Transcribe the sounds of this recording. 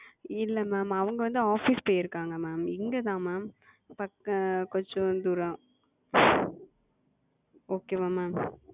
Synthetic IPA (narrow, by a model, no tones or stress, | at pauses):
ɪlːɐmaːmɐʋɐŋɡɐʋɐnd̪ɯaːfispoːjːɪɾɯkːaːŋɡɐmaːmɪŋɡɐt̪ãːmaːm | pɐkɐkɔɲd͡ʒɔ̃d̪uːɾɐ̃ | oːkeːʋaːmːaːm